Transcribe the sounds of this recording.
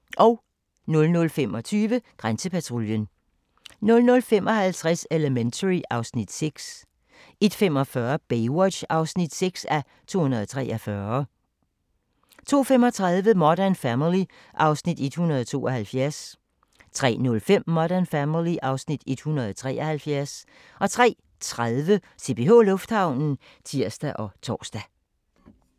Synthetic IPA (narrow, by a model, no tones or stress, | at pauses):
ʔɒʊ | nɔ̽lnɔ̽lfemɒ̽t͡sʰyːʋəɡ̥ʁansəpʰæt͡sʰʁoljən | nɔ̽lnɔ̽lfem̰ʔɒ̽hælt͡sʰʁaseləment͡sʰəʁiʔɑ̈ʊsnid̥seɡ̥s | e̝d̥fem̰ɒ̽fɶɐb̥eɪwɒ̥̽ɕɑ̈ʊsnid̥seɡ̥sæ | t͡sʰo̝̰ːhunɐðˠɒt͡sʰʁɛːʔɐfɶɐ | t͡sʰo̝̰ːfemɒ̽t͡sʰʁaðˠʋəmɒɾ̥ænfæmili | ʔɑ̈ʊsnid̥e̝d̥hunɐðˠɒt͡sʰo̝̰ːʔɒhælfjæɐs | t͡sʰʁɛ̰ːnɔ̽lfem̰ːɒɾæɐnfæmiliʔɑ̈ʊsnid̥e̝d̥hunɐð̞ˠɒt͡sʰʁɛ̰ːʔɐhælfjæɐs | ʔɒ̽t͡sʰʁɛ̰ː | t͡sʰʁaðˠʋəse̝bpʰe̝ɦo̝̰lɔ̽fd̥hɑ̈ʊ̰nn̩ | t͡sʰiɐ̰sd̥æʔɒ̽t͡sʰɒ̰ːsd̥æ